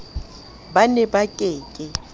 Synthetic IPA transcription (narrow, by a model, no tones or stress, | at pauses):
banɛbakʼeːkʼɪ